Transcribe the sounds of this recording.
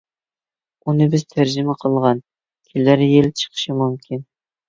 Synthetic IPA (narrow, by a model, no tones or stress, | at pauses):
unɤbɘz̥t̪ʰæɾʒɪ̆mæqʰɤ̆lˠʁɑn | kʲʰelːæɾjelt͡ʃʰə̥qʃɤmɵmkʲʰin